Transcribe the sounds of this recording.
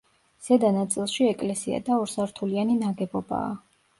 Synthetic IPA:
z̥ɛd̪anat̪sʼilˠʃiɛkʼlɛsia̰d̪aɔɾsaɾt̪ʰulianinaɡɛbɔba̰ː

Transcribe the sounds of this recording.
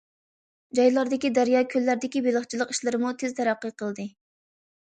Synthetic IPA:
d͡ʒɑjlˠɑɾd̪ɪkʲid̪æɾjɑːkʲʰølːæɾd̪ɪkʲibelˠəχt͡ʃʰilˠəqi̥ʃlˠɨɾɨmut̪ʰɪzt̪ʰɛɾæqːəqʰəlˠd̪ɨ

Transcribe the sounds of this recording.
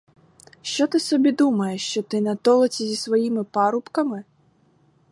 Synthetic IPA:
ʃt͡ʃɔt̪ɨsɔbʲid̪umɐjɛʂt͡ʃɔt̪ɪnɐt̪ɔlˠɐt͡sʲizʲisvajimɨpaɾupkɐmɨ

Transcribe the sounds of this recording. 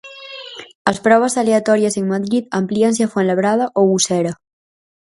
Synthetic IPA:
əspɾɔβ̞əzaleat̪ɔɾiəzeŋmaðɾit̪̚ampliansiafwenləβɾað̞aʔoɣusɛɾa

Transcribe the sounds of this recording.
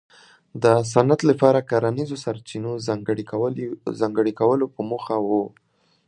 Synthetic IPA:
d̪əs̬anat̪lapɑɾakaɾanizosaɾt͡ʃinoɽ | zɑŋɡəɽikawəlopəmoxawu

